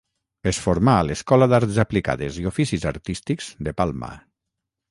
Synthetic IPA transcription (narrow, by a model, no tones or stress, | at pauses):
esfoɾmaːleskɔlaðaɾt̪zaplika̰ðeziofisiza̰ɾt̪ist̪ikz̥d̪epalˠma̰